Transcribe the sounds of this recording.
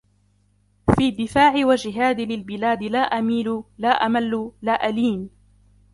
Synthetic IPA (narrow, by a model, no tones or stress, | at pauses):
fiːd̪ːɪfaːʕɪwad͡ʒɪɦaːd̪ɪlɪlbɪlaːd̪ɪlaːʔamiːlʊlaːʔamalːʊlaːʔaliːn